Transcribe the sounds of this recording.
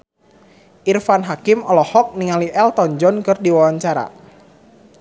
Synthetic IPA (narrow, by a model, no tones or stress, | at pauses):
ʔirfanɦakimɔlɔhɔk̚niŋaliʔɛlt̪ɔɲd͡ʒɔnkɨrdiwawaɲt͡ʃaɾa̰